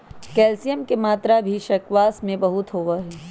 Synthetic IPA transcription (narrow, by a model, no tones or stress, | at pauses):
kɛːlsijəmkemaːt̪ɾabʱiʃɐkʋaːsmẽbɐɦʊt̪ɦoːʋaɦɛː